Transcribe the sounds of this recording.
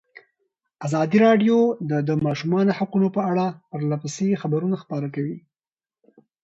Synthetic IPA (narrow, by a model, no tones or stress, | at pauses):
azɑd̪iɾɑɖjod̪əd̪əmɑʃumɑnohaqunopəaɽapəɾlapəsexabaɾunaxpɑɾakawi